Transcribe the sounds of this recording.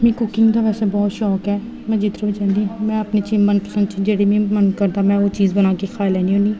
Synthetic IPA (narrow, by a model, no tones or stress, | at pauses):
mĩːkʊkɪ̃ŋɡd̪aːʋɛːseːbɔːt̪ʃɔːkɦɛː | mɛ̃ːd͡ʒɪt̪ɾobət͡ʃãːnd̪ĩmɛ̃ːəpnit͡ʃiːmənpəsə̃nd̪t͡ʃid͡ʒeːɽiːbĩːmənkəɾd̪aːmɛ̃ːoːt͡ʃiːzbənaːkexʰaːɪlɦɛːniːõːnd̪iː